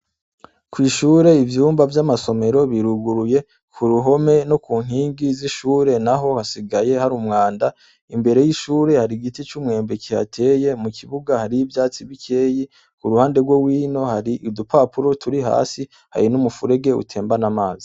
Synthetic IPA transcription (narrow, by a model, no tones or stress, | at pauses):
kwiːʃuːɾe̞ivjuːmbavjamaso̞me̞ɾo̞βiɾuɡuɾuje̞ | kʰuɾuɦo̞me̞no̞kuːŋ̥hiːŋɡiziʃuːɾe̞naɦo̞hasiɡaje̞haɾumŋaːnda | imbe̞ɾe̞jiʃuːɾe̞haɾiɡitit͡ʃumŋe̞ːmbe̞kiha̰tʰe̞ːje̞mukʰiβuɡahaɾijibjaːt͡siβikʰe̞ːji | kuɾuhaːnde̞ɾɡwo̞wiːno̞haɾiʔidupaːpuɾo̞tʰuɾiɦa̰ːsi | ha̰ɾinumufuɾe̞ɡe̞ṵtʰe̞ːmbanamaːzi